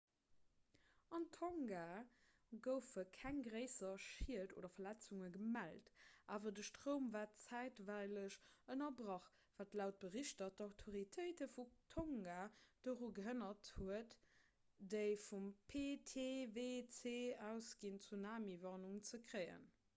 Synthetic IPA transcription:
ɑntʰoŋɡaː | ɡəʊfəkʰæŋɡʁəɪsɐʃiəto̰ːdɐfɐlæt͡suŋəɡəmæltʔaːvɐdəʃtʁoʊmvaːtt͡sæɪtvæɪləʃənɐbʁɑχ | v̥aːtlaʊt̚b̥əʁiʃtɐtdɑʊtʰoʁitʰəɪtəfutʰoŋɡaːd̥oːʁuɡəɦənɐthuət | d̥əɪfumpʰetʰeːveːt͡seːæʊsɡ̥int͡sunaːmivɑʁnuŋt͡səkʁəɪə̰n

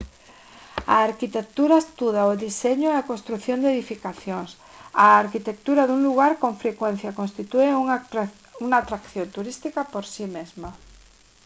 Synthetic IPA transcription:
aːɾkit̪ek̚t̪uɾaest̪uð̞aoðiseɲoeakonst̪ɾuθjond̪eðifikaθjoŋs | aaɾkit̪ek̚t̪uɾaðuŋluɣaɾkõɱfɾekwẽn̟θjakonst̪it̪ueu | uŋaːt̪ɾakθjõnt̪uɾist̪ikapoɾsimezma

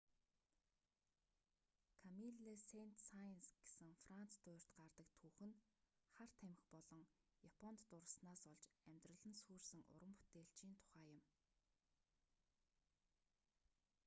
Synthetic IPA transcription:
kʰamiɮisen̥t̪sajnsɡ̥esɘ̆ŋfran̥t͡st̪ʊːr̥t̪ɢart̪ə̆kt̪ʰuːxɘ̆n | χar̥t̪ʰæmɪ̆xpɔɮɞ̆ŋjapʰɔnt̪ːʊɾə̆snaːsɔɮt͡ɕæmʲt̪rə̆ɮə̆nsuːrsɘ̆ŋʊ̰ɾə̆mpu̥t̪eːɬt͡ɕiːnt̪ʰʊ̥χæːjʊ̆m

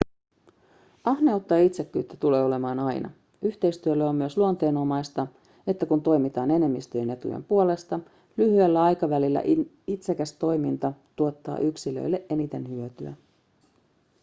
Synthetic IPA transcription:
ɑhneout̪ːɑːit̪se̞kːyːt̪ːæt̪ule̞ːo̞le̞mɑːnɑjnɑ̰ | yçt̪e̞jst̪yølːeo̞mːyøsluont̪e̞ːno̞mɑjst̪ɑ | e̞t̪ːækunt̪o̞jmit̪ɑːne̞ne̞mːist̪øjene̞t̪ṵjḛmpuole̞st̪ɑ | lyhyelːæɑjkɑʋælilːæ̰ʔ | it̪sekæst̪o̞jmint̪ɑt̪uot̪ːɑ̰ːʔyksilø̰jlːe̞ʔe̞nit̪e̞nhyøt̪yæ̰

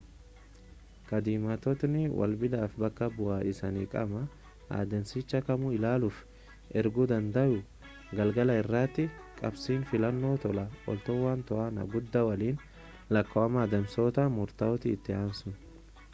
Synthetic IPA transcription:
kɐd̪iːmat̪ɔt̪nɪwʔɐ̰lbɪd̪aːfbɐkːɐbʊʔaːɪsɐnḭːkʼɐ̰mɐ | ʔa̰ːd̪ɐnsɪt͡ʃːɐkɐmʊɪlaːluːf | ʔɛɾɡʊd̪ɐnd̪ɐʔʊ | ɡɐlɡɐlɐɪrːaːt̪ːɪkʼɐbsiːnfɪlɐnːo̞ːt̪ɔlɐɔ̰lt̪oːwaːnt̪ɔaːnɐ̰ɡʊd̪ːɐwɐliːn | lɐkːoɐmaːd̪ɐmsoːt̪ɐmʊɾt̪ɐɔt̪ɪːt̪ːɪaːmsʊn

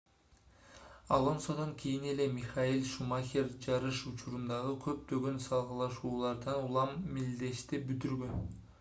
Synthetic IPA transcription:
ɑlˠo̞nsod̪ɑŋkʰʲijine̞le̞mʲiχɑilʲˠʃumɑxʲeɾd͡ʒɑɾɯʃut͡ʃʰuɾund̪ɑʁɯkʰø̞p̚t̪ø̞ɡø̞nsɑlˠʁɯlˠɑʃuːlˠɑɾd̪ɑnulˠɑmːild̪e̞ʃt̪ibyt̪yɾɡø̞n

